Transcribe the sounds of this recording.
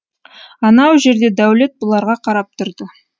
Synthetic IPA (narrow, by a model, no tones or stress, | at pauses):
ɑnɑwʒe̞ɾd̪e̞d̪æwle̞t̪̚bʊlˠɑɾʁɑqʰɑɾɑp̚t̪ʰʊɾd̪ə